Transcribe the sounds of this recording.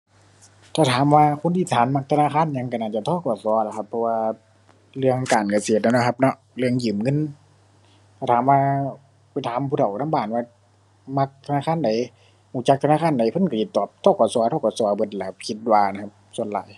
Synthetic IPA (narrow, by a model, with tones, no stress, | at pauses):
t̪ʰaː˧˩t̪ʰaː˨˦mwaː˧kʰo˧˨nt̪ʰiː˧˩t̪ʰaː˨˦nma˧k̚t̪ʰa˧naː˧˨kaː˧˥˨nɲa˧˨ŋka˧˩naː˧˩t͡ɕa˧˩t̪ʰɔː˧˥˩kɔː˨˩sɔ˧˦la˧˩kʰa˧pʰːɔ˧waː˧ | lɯ˧əŋkaː˨˩nka˧˩se˧˩t̪̚na˧˩nɔ˧˩kʰa˧˦p̚nɔ˧ʔ | lɯ˧əŋjɯː˨˩mŋɤ˧˥˨n | t̪ʰaː˧˩t̪ʰaː˨˦mwaː˧ | pa˨jt̪ʰaː˨˦mpʰuː˧˨tʰa˨˩w̪ʰa˧˥˨baː˨˩nwaː˧ | ma˧k̚t̪ʰa˧naː˧˨kʰaː˧˥˨nda˨˦j | huː˧˩˦t͡ɕa˧˥k̪̚ʰa˧naː˧˨kʰaː˧˥˨nda˨˦jpʰnka˧˩tʰi˧t̪ːɔː˨˩p̚t̪ʰɔː˧˥˨kɔː˨˩sɔː˧˦t̪ʰɔ˧˩kɔː˧˩su˧˦bɤ˧˦t̪̚la˧˩a˧kʰi˧t̪̚waː˧na˨˧˩kʰa˧p̚su˧ənla̰ː˨˦j